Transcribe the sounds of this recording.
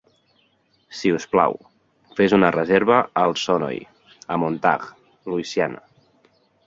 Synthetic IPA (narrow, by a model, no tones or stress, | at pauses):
siuspla̰w | fezunərəzeɾβəəlˠsɔnɔ̰j | əmont̪a̰ɣ | luisianə̰